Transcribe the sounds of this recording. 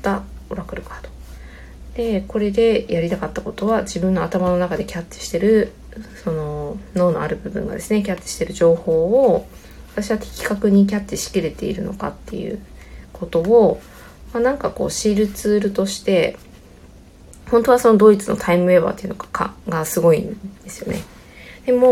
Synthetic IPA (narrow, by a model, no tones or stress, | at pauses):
t̪ːaoɾakɯ̟ɾɯkat̪o̥ | d̪̥e̞ko̞ɾe̞d̪e̞jaɾʲit̪akat̪ːako̞t̪o̞βad͡ʑibɯ̟̃nːo̞at̪amano̞nakad̪e̞kʲatːi̥ɕi̥t̪e̞ɾɯ̟ | so̞no̞no̞ːno̞̰a̰ɾɯ̟bɯ̟bɯ̟̰̃ŋɡa̰d̪e̞sɨne̞k̬ʲatt͡ɕ̪ːi̥ɕi̥t̪e̞ɾɯ̟ʑo̞ːho̞ːo | βat̪aɕiβat̪ʰe̞̥kʲi̥kakɯ̟ɲ̟ik̬ʲat̪ːiɕi̥kʲiɾe̞t̪e̞̰ḭɾɯ̟no̞̰ka̰t̪ːe̞̰jɯ̟̰kʰo̞t̪o̞o | manãŋkako̞̰ːɕiːɾɯ̟t͡sɨːɾɯ̟t̪o̞ɕi̥t̪e̞ | hõ̞nt̪o̞β̞aso̞nod̪o̞ːit͡sɨno̞̰t̪ʰaimɯ̟e̞ba̰ːt̪ːe̞iɯ̟no̞kḁkʰa̰ɡasɨɡo̞ĩnd̪̥e̞sɨ̥jo̞ne̞ | d̪̥e̞moː